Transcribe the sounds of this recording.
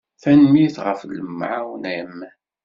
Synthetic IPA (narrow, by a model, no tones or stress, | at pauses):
θænmiθʁəfləmːʕawnəm